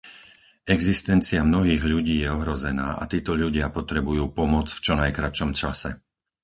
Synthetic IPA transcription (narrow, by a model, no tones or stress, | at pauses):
ɛɡzist̪ɛnt͡siamnɔɦiːɣʎuɟiːjɛɔɦɾɔzɛna̰ːʔa̰t̪iːt̪ɔʎuɟɪapɔt̪ɾɛbujuːpɔmʊɔt͡sft͡ʃɔnajkɾat͡ʃɔmt͡ʃasɛ